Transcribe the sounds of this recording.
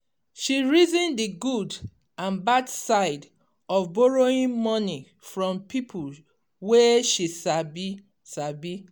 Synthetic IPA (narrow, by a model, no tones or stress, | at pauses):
ʃiɹizĩndiɡud | ãnbadsaɪd | ɔfbɔɹoĩnmɔni | fɹɔ̃mpipʰul | weʃisabi | sabi